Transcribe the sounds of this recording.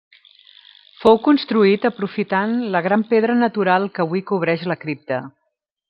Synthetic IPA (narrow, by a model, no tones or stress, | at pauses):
fowkunst̪ɾuit̪əpɾufit̪anləɣ̞ɾampeðɾənət̪uɾalˠkəβuikuβ̞ɾɛʃləkɾip̚t̪ə